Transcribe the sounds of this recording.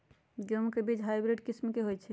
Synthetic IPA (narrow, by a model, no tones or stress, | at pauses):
ɡjomkebid͡ʒɦajbɾeɖkismkeɦojt͡ʃʰɛ